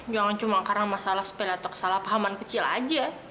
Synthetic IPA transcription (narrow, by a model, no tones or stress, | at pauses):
d͡ʒaŋant͡ʃumakaɾaŋmasalahsə̥pelat̪ɔkə̥salahpaɦamankət͡ʃila̰d͡ʒa